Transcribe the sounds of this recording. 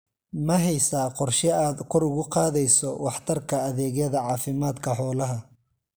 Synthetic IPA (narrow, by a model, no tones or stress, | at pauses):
mɐɦɛjsaːqɔrʃɛaːd̪kʰɔɾʊɣʊqɑːðɛjsɔwɑħt̪ʰɐrkʰɐːðɛːɣjɐðɐʕɑːfɪmaːd̪kʰɐħɔːlɐɦɐ